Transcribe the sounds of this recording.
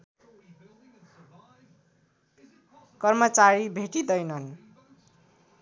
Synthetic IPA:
kʌrmʌt͡saɾibʱeʈid̪ʌjnʌn

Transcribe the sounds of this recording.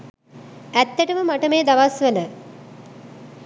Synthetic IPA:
æt̪ːæʈəməmaʈəmeːd̪aʋasʋenə

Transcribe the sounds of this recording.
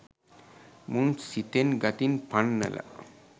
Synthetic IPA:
munsit̪enɡat̪inpanːɛ̰lʔa̰

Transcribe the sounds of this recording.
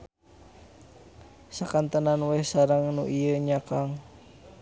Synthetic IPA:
sakant̪ənanwɛhsaɾəŋnṵʔijəɲakaŋ

